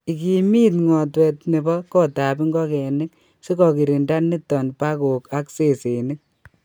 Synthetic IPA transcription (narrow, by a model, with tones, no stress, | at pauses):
i˨ki˨mi˦tŋwɔ˨twɛ˨tne˨bɔ˦kɔ˦ta˨bi˦ŋɡɔ˦kɛ˨nɪ˦k | se˦kɔ˨ki˨ɾi˨nda˦nːi˦tːɔ˨npa˦ko˨ka˦kse˦˨se˨nɪ˦k̚